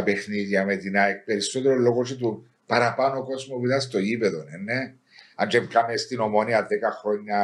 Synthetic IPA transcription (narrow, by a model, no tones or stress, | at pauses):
ɐpe̞xniðjɐmet̪inɐek̚pe̞ɾiso̞t̪eɾolːo̞ɣot͡ʃit̪̬u | pɐɾɐpɐnoko̞zmoviðɐst̪o̞ʝipeðonenːe | ɐnt͡ʃevɡamest̪ino̞mo̞niɐðekɐxɾo̞ɲːɐ